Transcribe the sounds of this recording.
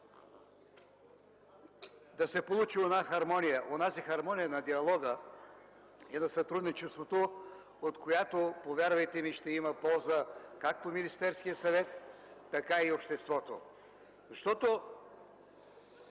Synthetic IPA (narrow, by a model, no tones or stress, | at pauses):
d̪ɐsɛpolˠut͡ʃionaxɐɾmɔnijəʔonazixɐɾmɔnijənɐd̪iɐlˠɔɡə | ɛnɐsɐt̪ɾud̪nit͡ʃɛst̪vot̪o | ot̪kʰojat̪opovʲjaɾvɐjt̪ɛmiʃt̪ɛimɐpɔlˠzəkak̚t̪ominist̪ɛɾskijəsɐvɛt̪ː | ɐkaiopʃt̪ɛst̪vɔt̪o̰ | zɐʃt̪ɔt̪o